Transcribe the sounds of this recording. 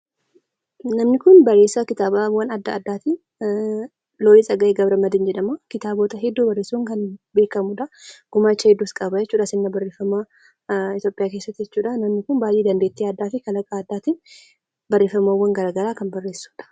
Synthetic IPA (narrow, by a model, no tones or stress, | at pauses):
nɐmnɪkʊnbɐrːeːsːɐkɪt̪aːbawɐnɐd̪ːɐːd̪ːaːt̪in | loːlisʼɐɡɐʔeːɡɐbɾɐmɐd̪ɪnd͡ʒɛᶑɐmakɪt̪aːboːt̪ɐɦɛd̪ːubɐrːeːsuŋkɐnbe̞ːkɐmʊᶑɐɡ̥ʊmaːt͡ʃːɐhɛd̪ːuskʼɐbɐd͡ʒɛt͡ʃːuːᶑɐsɪnːɐbɐreːfɐma | ɪt̪jo̞ːpʼɪjaːke̞ːsːɐt̪ːɪd͡ʒɛt͡ʃːuːᶑɐnɐmnɪkʊnbaːjʔeːd̪ɐnd̪eːt̪ːiɐd̪ːaːfɪkɐlɐkʼaːd̪ːaːt̪iːn | bɐrːe̞ːfɐmawːɐŋɡɐɾaːɡɐɾaːkɐnbɐrːe̞ːsːu̥ːᶑɐ̥